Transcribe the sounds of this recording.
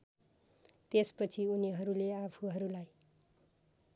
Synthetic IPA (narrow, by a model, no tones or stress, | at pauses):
t̪espʌt͡sʰiuniɦʌɾuleapʰuɦʌɾulaj